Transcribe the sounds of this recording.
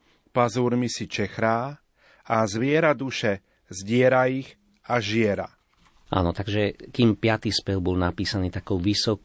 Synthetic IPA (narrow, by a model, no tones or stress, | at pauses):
pazuːɾmisit͡ʃɛxɾaː | azʋɪɛɾad̪uʃɛ | zɟɪɛɾaiɣ | aʒɪɛɾa̰ | ʔa̰ːnɔt̪aɡʒɛkiːmpɪat̪iːspɛlbɔlnapiːsaniːt̪akɔʊʋisɔ